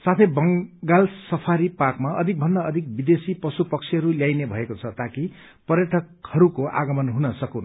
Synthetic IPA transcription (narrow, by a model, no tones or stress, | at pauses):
sat̪ʰebʌŋɡalsʌpʰaɾipakmaʌd̪ʱik̚bʱʌnd̪aʌd̪ʱik̚bid̪esipʌsupʌkt͡sʰiɦʌɾuljajnebʱʌekot͡sʰʌt̪aki | pʌrjʌʈʰʌkhʌɾukoʔa̰ɡʌmʌnɦunʌsʌkon